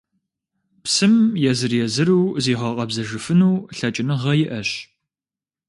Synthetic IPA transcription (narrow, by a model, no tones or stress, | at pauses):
psɨmjɛzɨrjɛzɨɾuːziːʁɐqʼɐbzɐʒɨfɨnuːɬɐt͡ʃʼɪnɨʁɐjɪʔɐɕ